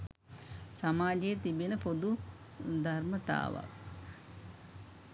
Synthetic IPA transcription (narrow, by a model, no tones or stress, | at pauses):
samaːd͡ʒejet̪ibinəpod̪u | d̪ʱarmət̪a̰ːʋa̰k